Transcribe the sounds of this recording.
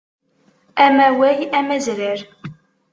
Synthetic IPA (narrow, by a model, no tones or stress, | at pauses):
æmæwæjæmæzɾəɾ